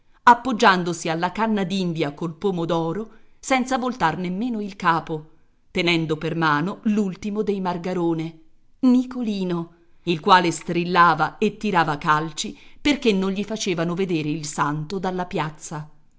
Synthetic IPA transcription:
apːod͡ʒːand̪osialːakanːad̪ind̪jakolpoːmod̪ɔːɾosɛnt̪savolt̪arnemːeːnoilkaːpo | t̪enɛnd̪opermaːnolult̪imod̪ejmarɡaɾoːne | nikoliːno | ilkwaːlest̪ɾilːaːvaet̪ːiɾaːvakalt͡ʃiperkenːonʎifat͡ʃeːvanoved̪eːɾeilsant̪od̪alːapjat̪sːa

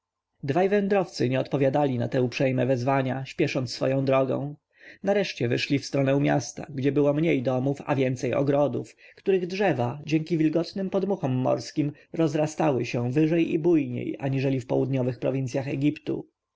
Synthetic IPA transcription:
d̪vajvɛnd̪ɾɔft̪sɘɲɛɔt̪pɔvʲjad̪alʲina̰t̪ɛupʂɛjmɛvɛzvaɲaɕpʲjɛʂɔnt̪sfɔ̰jɔ̃w̃d̪ɾɔɡɔ̰̃w̃ | naɾɛʂt͡ɕɛvɘʂlʲifst̪ɾɔnɛw̃mʲjast̪a̰ɡd͡ʑɛbɘwɔmɲejd̪ɔmufa̰vʲjɛnt̪sɛjɔ̰ɡɾɔd̪ufkt̪uɾɘɣdʐɛvad͡ʑɛŋkʲivʲilɡɔt̪nɘmpɔd̪muxɔmːɔ̰ɾskʲimɾɔzɾast̪awɘɕɛ̃vɘʐɛjḭbujɲḛja̰ɲiʐɛlʲifpɔwud̪ɲɔvɘxpɾɔvʲinsʲjaxɛɡʲipt̪ṵ

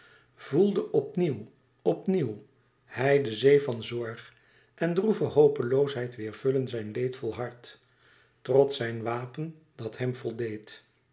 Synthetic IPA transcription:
vulˠdəʔɔpniw | ɔpniw | hɛjdəzejvɑnzɔɹχ | ʔɛndruvəɦowpəlowsɦɛjtʋɪːɹv̥ɵlənzɛjnlejtfɔlˠɦɑɹt | trɔtsɛjnʋaːpən | d̥ɑtɦɛmvɔlˠdejt

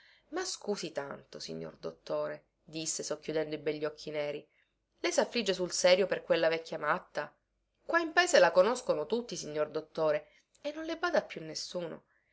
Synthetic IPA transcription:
maskuːsit̪a̰nt̪osḭɲːo̰rd̪o̰t̪ːoːɾe | d̪isːesɔkːjud̪ɛnd̪oibɛʎːɔkʰːinɛːɾi | lesafːlid͡ʒːesulsɛːɾjoperkwelːavɛkːjamat̪ːa | kwaimpaeːzelakonoskonot̪ut̪ːisiɲːord̪ot̪ːoːɾe | enːonlebaːd̪apːjunːesːuːno̰

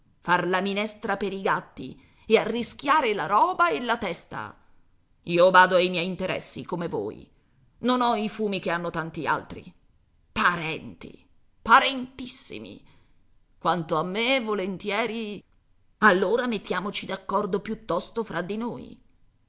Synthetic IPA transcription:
farlaminɛst̪ɾapeɾiɡat̪ːḭ | earːisk̟jaːɾelaɾɔːbaelat̪ɛst̪a̰ | iːovaːd̪oajmjɛjint̪eɾʔɛ̰sːḭkomevo̰ːjḭ | nonɔifuːmikeanːot̪ant̪ia̰lt̪ɾḭ | paɾɛnt̪ḭ | paɾent̪isːḭmḭ | kwant̪oamːevolent̪jɛːɾi | alːoːɾamet̪ːjaːmot͡ʃid̪akːɔrd̪opjut̪ːɔst̪ofɾʔad̪ino̰ːj̰

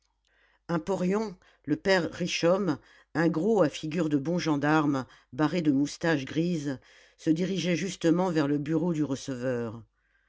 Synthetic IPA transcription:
ɛ̃pɔʁjɔ̃ | ləpɛʁːiʃɔm | ɛ̃ɡʁoafiɡʲyʁd̪əbɔ̃ʒɑ̃d̪aʁm | baʁed̪əmust̪aʃɡʁiz | səd̪iʁiʒɛʒyst̪əmɑ̃vɛʁləbyʁod̪yʁəsəvœːʁ

